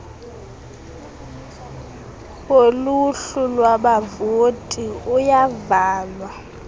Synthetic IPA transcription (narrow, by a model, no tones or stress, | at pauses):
oluɬulwaɓavotʼiujavaːlwa